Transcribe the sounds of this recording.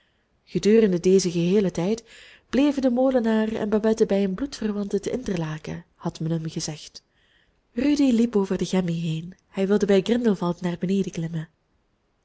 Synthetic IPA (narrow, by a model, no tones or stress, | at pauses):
ɣədyːrəndədeːzəɣəɦeːlətɛjt | b̥leːvəndəmoːlənaːrəɛ̰nbɑbɛtəbɛjɦənblutfərʋɑntətəʔɪntərlaːkə̰hɑtmɛnɦəmɣəzɛxt | rydilipoːvərdəɣɛmiɦeːnhɛjʋɪlˠdəbɛjɡrɪndəlˠvɑlˠtnaːrbəneːdəklɪmə